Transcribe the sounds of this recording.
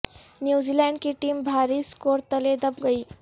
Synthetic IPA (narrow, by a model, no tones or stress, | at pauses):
njuːziːlaɳɖkiʈiːmbʱaɾiːskoɾt̪əled̪əbɡəiː